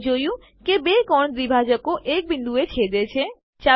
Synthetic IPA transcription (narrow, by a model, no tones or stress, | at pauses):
d͡ʒojũ | kebekɔɳ̃d̪ɾibʱad͡ʒəkoʔek̚bind̪ʱuet͡ʃʰed̪et͡ʃʰe | t͡ʃa